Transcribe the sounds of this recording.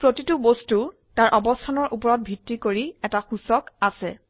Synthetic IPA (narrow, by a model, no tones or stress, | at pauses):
pɹotitubostu | taɹʔɔbɔstʰanɔɹʔupɔɹɔt̚bʱitːikoɹiɛtaxusɔkasɛ̰